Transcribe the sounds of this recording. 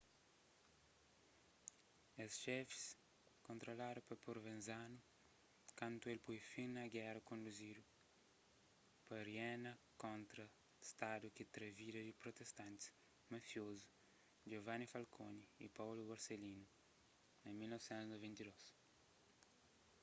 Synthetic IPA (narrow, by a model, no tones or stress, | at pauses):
esʃɛfi̥s | kõnt̪ɾolaɾupɐpoɾvẽnzanu | kãnt̪uelpujfinɐɡɛɾɐkõnd̪uzid̪u | pɐɾjɛnɐkõnt̪ɾɐ | st̪ad̪ukit̪ɾeviɾɐd͡ʒipɾot̪est̪ãnt̪i̥s | mɐfjozu | d͡ʒovanifalkʰonḭːpawluɡoɾselinu | emilnɔvsɛ̃nt̪uznovɛ̃nt̪id̪ɔs